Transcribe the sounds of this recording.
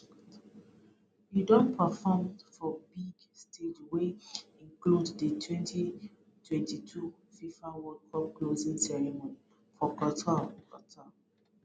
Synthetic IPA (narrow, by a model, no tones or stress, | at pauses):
judɔ̃npʰafɔmfɔbiɡ | stʰed͡ʒweĩŋkluddətʰwɛ̃ntʰi | twɛ̃ntitʰu | fifãwɔlkʰɔp̚klozĩŋsɛɹimõni | fɔkɔtʰakɔtʰa